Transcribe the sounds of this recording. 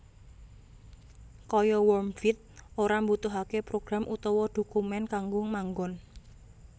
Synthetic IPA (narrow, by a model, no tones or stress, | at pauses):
kɔjɔwɔmfit̪̚oɾambut̪uɦakepɾoɡ̥ɾamʔut̪ɔwɔd̪̥o̤kumɛnkaŋɡʊŋmaŋɡɔn